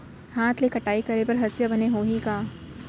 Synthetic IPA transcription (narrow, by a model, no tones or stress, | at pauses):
haːt̪ʰlekɐʈaːikɐɾepɐɾɦɐsjabɐneɦoːɦikaː